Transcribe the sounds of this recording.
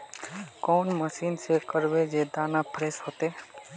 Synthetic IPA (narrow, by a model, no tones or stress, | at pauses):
kɔːnməʃiːnsekəɾʋed͡ʒed̪aːnapʰɾeːsɦoːt̪eː